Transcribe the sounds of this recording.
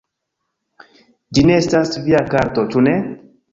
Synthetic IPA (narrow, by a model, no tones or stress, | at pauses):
d͡ʒineestasviakaɾtot͡ʃune